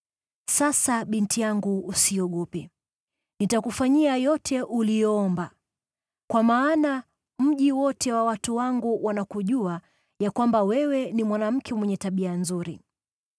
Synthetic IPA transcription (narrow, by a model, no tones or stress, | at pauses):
sasaɓintijaŋɡuːsiɔɠɔpɛ | nitakufaɲiajɔtʰɛʔulijɔɔmba | kwamaːna | m̩ʄiwɔtʰɛwawatuwaŋɡuwʔanakuʄua | jakwambawɛwɛnimwanam̩kʰɛmwɛɲɛtaɓianzuɾi